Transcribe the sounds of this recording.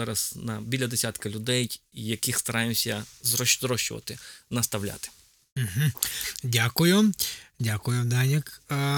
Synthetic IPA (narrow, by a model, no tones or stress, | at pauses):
ɑɾɐz̥nɐbʲilʲɐd̪esʲat̪kɐlʲʊd̪ɛjjjɐkixst̪ɐɾɑjemsʲɐzɾɔzɾɔʃt͡ʃʊ̰ʋɐ̰t̪ɪnɐst̪ɐwlʲa̰t̪ɪ̥ | m̩ɦ̩dʲakʊjʊdʲakʊjʊd̪anʲɪk